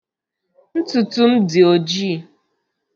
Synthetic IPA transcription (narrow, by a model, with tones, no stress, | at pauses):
n̩˦tu˨tu˦m̩˦dɪ˨o˨d͡ʒiː˦˨